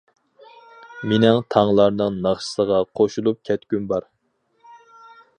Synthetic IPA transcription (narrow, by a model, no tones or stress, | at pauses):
menɪŋt̪ʰɑŋlˠɑɾnɨŋnɑχʃɨ̥səʁɑqʰoʃulˠup̚kʲʰɛt̪kʲynbɑɾ